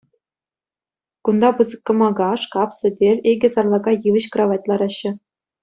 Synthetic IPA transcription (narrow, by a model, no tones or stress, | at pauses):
kund̪ɑpɯzɤ̆kːɤ̆mɑɡɑʂkɑpsɘ̆dʲerʲeɡʲɘ̆zɑrlˠɑɡɑjɯʋɤ̆ɕkrɑʋɑt̚ʲlˠɑɾɑɕːɘ̆